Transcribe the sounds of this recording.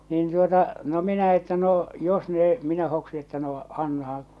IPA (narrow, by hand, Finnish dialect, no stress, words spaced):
niːn tuotɑ no minæ etːæ no jos noː minæ hoksi etːæ noː ɑnːɑhɑ̃ː